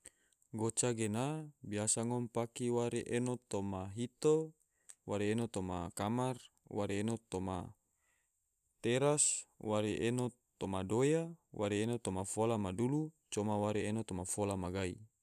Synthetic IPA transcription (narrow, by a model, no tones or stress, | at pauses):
ɡot͡ʃaɡenabiasaŋompakiwaɾeʔenot̪omaɦit̪o | waɾeːnot̪oma̰kamar | waɾeenot̪oma̰ | t̪eɾaswaɾeʔeno | t̪omadojawaɾeenot̪omafolamadulu | t͡ʃɔmawaɾeenot̪omafolamaɡaḭ